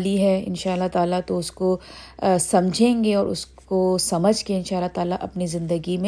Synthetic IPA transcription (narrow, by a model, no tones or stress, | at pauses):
liɦɛɪ̰nʃaːəlːat̪aːlat̪oʊsko | sɐmd͡ʒʱẽːŋɡeɔːɾʊ̰skosɐməd͡ʒʱkeɪ̃nʃaːlːat̪aːlaʔɐpnizɪ̃nd̪əɡimẽ